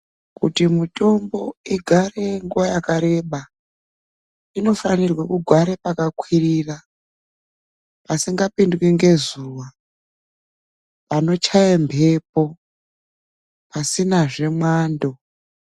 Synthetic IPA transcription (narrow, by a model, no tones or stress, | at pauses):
kṵtimutʼo̞mbo̞iɡʱare̞ŋɡuwajakaɾe̞ɓa | ino̞fanirwakuɡʱwaɾepakakwirira | pasiŋɡapindwiŋɡe̞zuːwa | pano̞t͡ʃʰajembe̞p̚o̞ | pasinaʐe̞mwaːndo̞